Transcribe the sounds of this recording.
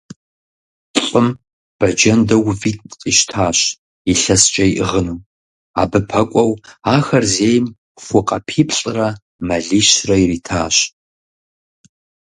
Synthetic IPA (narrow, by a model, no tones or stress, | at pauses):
ɬʼɨm | b̥ɐd͡ʒɐndɐwviːtʼqʼiʃtʰaːɕ | iɬɐst͡ʃʼɐiʔəʁənɨw | a̰ːbɨpʰɐkʷʼɔwaːxɐrzeːjm | xʷʊqʼɐ̰pʰiːpʰɕʼrɐ | mɐɮiʃrɐiriːtʰaːɕ